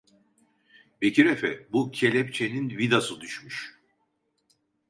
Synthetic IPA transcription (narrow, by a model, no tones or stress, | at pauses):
becʰiɾefɛbucʰe̞lʲɛp̚t͡ʃʰe̞ninvid̪asɯd̪yʃmyʃ